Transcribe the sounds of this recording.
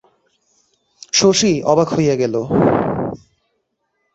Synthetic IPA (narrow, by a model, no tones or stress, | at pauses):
ʃoʃiɔbakojeɡɛlo